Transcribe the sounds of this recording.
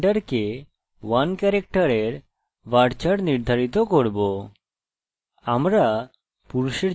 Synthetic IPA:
ɖəɾke | ʋankɛɾek̚ʈəɾeɾ | ʋaɽt͡ɕaɽniɾd̪ʱaɾit̪ɔkɔɾbɔ | amɾa | puɾuɕiɾ

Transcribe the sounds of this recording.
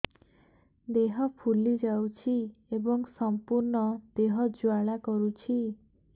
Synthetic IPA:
d̪eɦɔpʰulid͡ʒawt͡ʃʰiebɔŋsɔmpuɾɳɔd̪eɦɔd͡ʒwaɭakɔɾut͡ʃʰi

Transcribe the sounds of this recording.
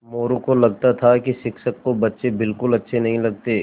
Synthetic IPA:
moːɾõkolɐɡ̚t̪at̪ʰakiʃɪkʃəkːobɐtːʃebɪlkʊlɐtːʃʰenɐɦĩlɐɡ̚t̪eː

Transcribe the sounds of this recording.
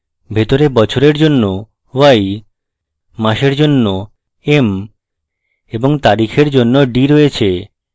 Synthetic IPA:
bʱet̪oɾebɔt͡ɕʰoɾeɾd͡ʑonːo | waj | aʃeɾd͡ʑonːo | em | eboŋt̪aɾikʰeɾd͡ʑonːoɖiɾojet͡ɕʰe

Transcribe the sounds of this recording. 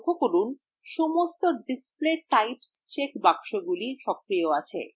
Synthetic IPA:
kʰːokoɾun | ʃomost̪oɖispleʈajpst͡ɕekbakʃoɡuliʃɔkɾioat͡ɕʰḛ

